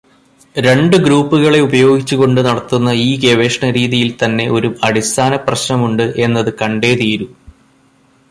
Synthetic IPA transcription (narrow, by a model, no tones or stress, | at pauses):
ɾe̞ɳɖɨɡɾuːpːuɣɐɭe̞ubɐjo̞ːɡit͡ɕːuɣo̞ɳɖɨnɐɽɐt̪ːunːɐiːɡeʋe̞ːʂɳɐɾiːðijilt̪ɐnːe̞ʔo̞ɾuɐɽist̪ʰaːnɐprɐɕnɐmuɳɖɨʔe̞nːɐðɨkɐɳɖe̞ːt̪iːɾu